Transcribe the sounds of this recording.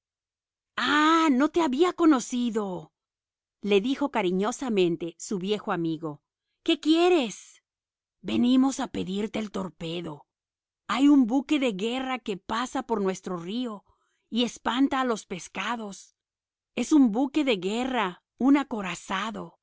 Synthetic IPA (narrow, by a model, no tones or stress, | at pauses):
ano̞t̪e̞aβiako̞no̞siðo̞ | le̞ðixo̞kaɾiɲo̞samẽ̞nt̪esuβje̞xo̞amiɣo̞ | ke̞kje̞ɾe̞s | be̞nimo̞sape̞ðiɾt̪e̞ːlt̪o̞ɾpe̞ðo̞ | ajumbuke̞ðe̞ɣe̞rake̞pasapo̞ɾnwe̞st̪ɾo̞rio̞ | ie̞spant̪aːlo̞spe̞skaðo̞s | e̞sumbuke̞ðe̞ɣe̞ra | unako̞ɾasaðo̞